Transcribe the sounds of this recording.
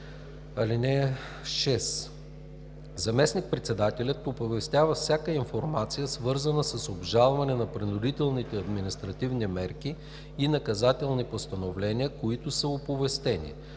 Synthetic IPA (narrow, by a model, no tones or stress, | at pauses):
ɐlinɛ | ʃɛs | zɐmɛsnik̚pɾɛt̪sɛd̪at̪ɛlʲət̪opovɛst̪ʲjavəfsʲjakəinfoɾmat̪sijəsvɤɾzənəsəsobʒalˠvɐnɛnɐpɾinʊd̪it̪ɛlˠnit̪ɛɐd̪minist̪ɾɐt̪ivnimɛɾkiː | nɐkɐzat̪ɛlˠnipost̪ɐnovlɛniəkoit̪ʊsəopovɛst̪ɛnḭ